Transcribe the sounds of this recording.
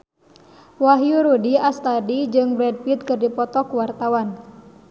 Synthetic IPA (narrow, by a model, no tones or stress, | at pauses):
waɦjuɾudiast̪adid͡ʒɨŋbɾɛd̚pit̪̚kɨrdipɔt̪ɔkuwart̪awan